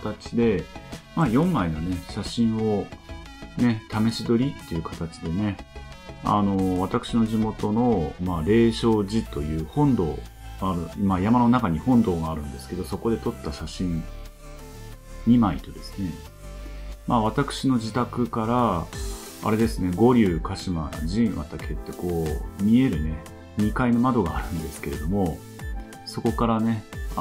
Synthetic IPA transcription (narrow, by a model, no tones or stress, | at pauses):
t̪at͡ɕi̥d̪e̞maːjõ̞mːainane̞ɕaɕĩɰ̃o̞ | ne̞t̪ame̞ɕid̪o̞ɾʲit̪ːe̞jɯ̟kʰat̪at͡ɕi̥d̪e̞ne̞ | a̰no̞β̞at̪akɯ̟̥ɕino̞ʑimo̞t̪o̞no̞maːɾe̞ːɕo̞ːʑit̪o̞jɯ̟ːhõ̞nd̪o̞ː | ɡaːɾɯ̟imajamano̞nakaɲ̟ihõ̞nd̪o̞ːɡaːɾɯ̟̃nd̪e̞sɨ̥ke̞d̪o̞so̞ko̞d̪e̞t̪o̞t̪ːaɕaɕĩn | ɲimait̪o̞d̪e̞sɨ̥ne̞ | maβ̞at̪akɯ̟̥ɕino̞d͡ʑit̪akɯ̟kaɾa | a̰ɾe̞d̪e̞sɨne̞ɡo̞ɾʲɯːkaɕima̰ʑĩɰ̃βa̰t̪ake̞t̪ːe̞ko̞ːmʲie̞ɾɯ̟ne̞ | ɲʲikaino̞mad̪o̞ɡaːɾɯ̟̃nd̪e̞sɨ̥ke̞ɾe̞d̪o̞mo̞ | so̞ko̞kaɾane̞